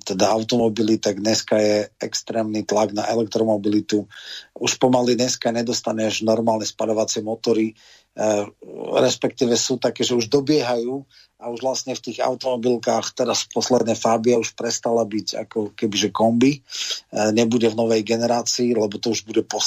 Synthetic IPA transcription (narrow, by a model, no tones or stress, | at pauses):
t̪ɛd̪aawt̪ɔmɔbilit̪aɡɲɛskajɛɛkst̪ɾɛːmnit̪laɡnaʔɛlɛk̚t̪ɾɔmɔbilit̪uuʃpɔmaliɲɛskaɲɛd̪ɔst̪aɲɛʒnɔɾmaːlɲɛspaʎɔʋat͡sɪɛmɔt̪ɔɾi | ɾɛspɛk̚t̪iːʋɛsuːt̪akɛːʒɛuʒd̪ɔbɪɛɦajuː | auʒʋlastɲɛft̪iːɣa̰wt̪ɔmɔbilkaːxp̪ɛɾaspɔslɛd̪nɛfaːbiauʃpɾɛst̪alabiɟa̰kɔkɛbiʒɛkɔmbi | ɲɛbuɟɛvnɔʋɛjɡɛnɛɾaːt͡siːlɛbɔt̪ɔuʒbuɟɛpɔ